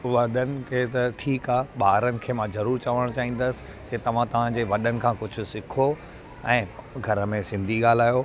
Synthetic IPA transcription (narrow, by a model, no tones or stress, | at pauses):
ʋɐɗənɪ̆kʰeːt̪ɐʈʰiːkaːɓaːɾənɪ̆kʰeːmãzɐɾuːɾt͡ɕaʋəɽ̃t͡ɕaːɦĩːn̆d̪əsɪ̥̆ | d͡ʑeːt̪ɐʋ̤ãt̪ɐʋ̤ãd͡ʑeːʋɐɗənɪ̆kʰãːkʊd͡ʑʱʊ̆sɪkʰo | ɛ̃ːɡʱɐɾəmẽsɪ̃nd̪ʱiɠaːl̤aːjo